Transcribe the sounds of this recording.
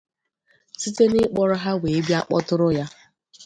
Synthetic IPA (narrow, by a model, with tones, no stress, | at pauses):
si˦te˦nɪ˦k͡pɔ˦ɾʊ˦ɦa˦we˨e˦bja˦k͡pɔ˦tʊ˦ɾʊ˦ja˦